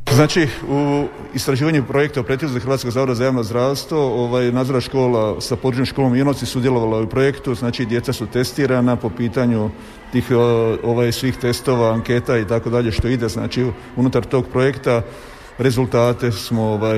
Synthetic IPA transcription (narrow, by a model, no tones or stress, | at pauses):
znaːt͡ʃiu | ist̪ɾaʒiːʋaɲupɾo̞je̞k̚t̪aupɾet̪ʲizaxrɾʋaːt̪skoɡzaːʋod̪azajaːʋnozd̪ɾaːʋst̪ʋo̞oʋaːjenaːd̪zoɾaʃko̞ːlasapod̪ɾut͡ʃɲomʃkolominot̪sisud̪jelo̞ʋalaupɾo̞je̞kt̪uznaːt͡ʃid̪je̞t̪sasut̪e̞st̪iːɾanapo̞piːt̪aɲu | t̪iːxoʋajsʋiːxt̪e̞st̪o̞ʋaːŋke̞t̪ait̪ako̞d̪aʎe̞ʃt̪o̞id̪e̞zna̰ːt͡ʃi | unut̪aɾt̪o̞ːɡpɾo̞je̞kt̪a | ɾe̞zulˠt̪aːt̪e̞smo̞oʋaj